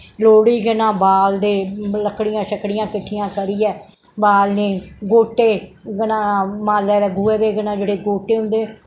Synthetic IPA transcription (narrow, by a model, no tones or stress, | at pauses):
loːɽiːɡənãːbaːld̪eːləkɽɪjãːʃəkɽɪjãːkɪʈʰːɪjãːkəɾiːɛː | baːlneːɡoːʈeːɡənãːmaːlɛːd̪ɛːɡueːd̪eːɡənãːd͡ʒeːɽeːɡoːʈeːɦʊ̃nd̪eː